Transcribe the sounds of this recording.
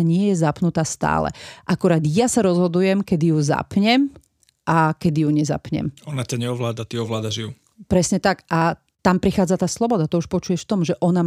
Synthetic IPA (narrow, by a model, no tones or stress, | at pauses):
ɲɪɛjɛzapnut̪aːst̪a̰ːlɛ̰ʔakuɾaːd̪jasaɾɔzɦɔd̪ujɛmkɛd̪ijuza̰pɲɛm | ʔakɛd̪ijuɲɛza̰pɲɛ̰mɔnat̪ɛɲɛɔʋlaːd̪at̪iɔʋlaːd̪aʒiu | pɾɛsɲɛt̪akʔa | t̪ampɾixaːd͡zat̪aːslˠɔbɔd̪at̪ɔuʃpɔt͡ʃujɛʃft̪ɔmʒɛʔɔna